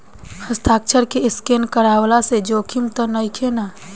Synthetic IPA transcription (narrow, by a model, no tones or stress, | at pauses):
həst̪ʰaːk̚t͡ʃʰəɾkeɪskenkəɾawlased͡ʒoːkʰimt̪ɔnəjkʰena